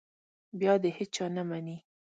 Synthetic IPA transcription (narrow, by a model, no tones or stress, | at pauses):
bjɑd̪ehet͡ʃɑnamani